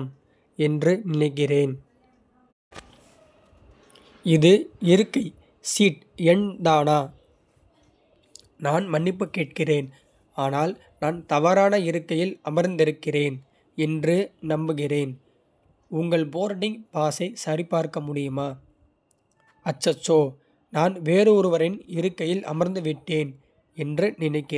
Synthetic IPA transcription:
m | ɛndrɯnɪnɐɪk̬ːɪreːn | ɪðɯɪɾɯkːɐɪ | siːʈ | ɛɳd̪aːnaː | naːnmɐnːɪpːɯkːeːʈ̚kɪreːn | aːnaːl | naːnt̪ɐʋaːɾaːnɐɪɾɯkːɐjɪlɐmɐɾnd̪ɪɾɯkːɪreːn | ɛndrɯnɐmbɯɣɪreːn | ʊŋɡɐɭboːɾɖɪŋpaːsɐɪsɐɾɪpːaːɾkɐmʊɽɪjɯmaː | ɐt͡ʃːɐt͡ʃːoː | naːnʋeːɾɯɔɾɯʋɐɾɪnɪɾɯkːɐjɪlʔɐ̰mɐɾnd̪ɯʋɪʈːeːn | ɛndrɯnɪnɐɪkːɪ

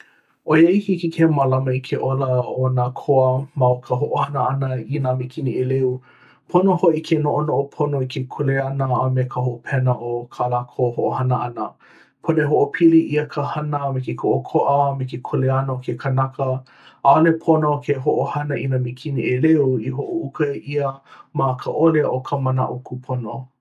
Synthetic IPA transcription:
ʔojeihikikʰemalɐmɐikʰeʔoləonaːkʰoəmɐokʰəɦoʔohɐnəɐnəinamekʰinieleu | pʰonohoʔikʰenoʔonoʔopʰonoikʰekʰoleɐnəːmekʰəɦoʔopʰɛnəʔokʰalaːkʰohoʔohɐnəɐnə | pʰoneɦoʔopʰiliiəkʰəhɐnəmekekʰoʔokʰoʔəmekekʰoleɐnəokʰekʰənɐkə | alepʰonokʰeɦoʔohɐnɐʔinamekʰiniʔeleuiɦoʔoukɐiəmakʰəʔoleʔokʰəmənɐ̰ʔukʰupʰono

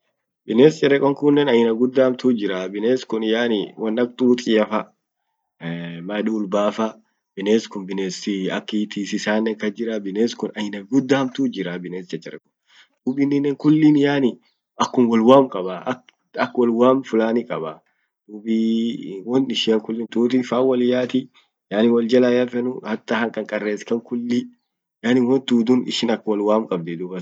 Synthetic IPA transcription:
bɪneːst͡ʃʼɛɾɛkʼːɔŋkʊnːɛnɐjɪnɐɡʊd̪ːamt̪uːd͡ʒɪɾabɪneːskʊnjaːnɪwɐnːɐk̚t̪uːt̪ʼɪɐfɐ | mɐᶑuːlbaːfɐ | bɪneːskʊnbɪneːsɪɐ̰kːit̪isɪsaːnːɛŋkɐd͡ʒɪɾɐbɪneːskʊnɐjɪnɐɡʊd̪ːaːmt̪uːd͡ʒɪɾabɪneːst͡ʃɐt͡ʃːʼɛɾɛkʼːɔ̥ | d̪̥uːbinɪnːɛŋkʊlːɪnjaːnɪ | ɐkːʊnwɔlwaːmkʼɐbaɐ | ɐkwɔlwaːmfʊlaːnɪkʼɐba | d̪̥uːbiwɔnɪʃɪɐŋkʊlːɪnt̪ʼuːt̪ifaːwɐlɪjaːt̪ɪ | jaːnɪwɔld͡ʒɐlajɐfɛnʊhɐt̪ːɐhɐŋkʼɐŋkʼɐrːeːskɐŋkʊlːɪ | jaːnɪwɔnt̪uːd̪ʊnɪ̰ʃɪnɐkːwɐlwaːmkʼɐbd̪ɪd̪uːbɐ

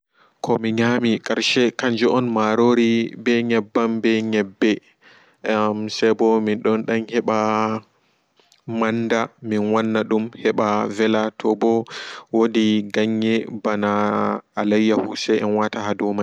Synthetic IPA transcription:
kʰɔmiɲamikʼaɾʃɛkaɲd͡ʒɔʔɔnmaɾoɾibɛɲɛbːambɛɲɛbːɛ | msɛbɔminɗɔnɗanhɛɓa | manːdaminwanːaɗumhɛɓavɛlatʰɔbɔwodiɡaɲːɛbanaː | lajːahusɛɛnwataɦadɔma

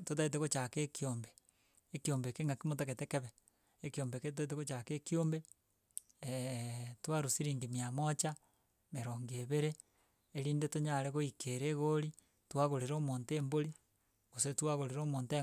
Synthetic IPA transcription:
tot̬ait̬eɣot͡ʃakeːkioːmbeː | kiombekeːŋɡakimot̬aketekeβeː | kiombeketait̬eɣot͡ʃakeːkiombe | twaɾusiɾiːŋɡimiamot͡ʃa | meɾoːŋɡeβeɾeː | ɾiːndetoɲaɾeɣoikeɾeɣoɾi | twaɣoɾeɾomoːnteːmboɾi | ɣosetwaɣoɾeɾomoːnte

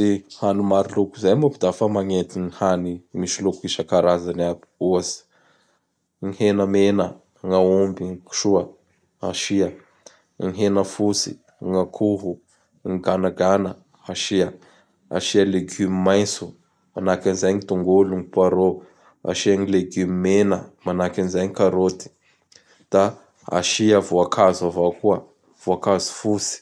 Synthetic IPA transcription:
dehanumaɾilukuzajmupid̪afəmaŋet̪inihanimiʃilokuiʃəkaɾazanab̥i̥uazi̥ | ŋihenəmenə | ŋaumbiŋiku̥ʃuə | aʃiə | ŋiɦenəfusḭ | ŋakʰuɦu | ŋiɡanaɡanə | aʃiə | a̰ʃialeɡymimajnsu | manakinizajɲit̪uŋɡoluŋipaɾo | a̰ʃiaŋileɡymimenəmanakinizajɲikaɾot̪i̥ | d̪̥a | a̰ʃiəvoakʰazuavakuə | v̥oakazu̥fusi̥

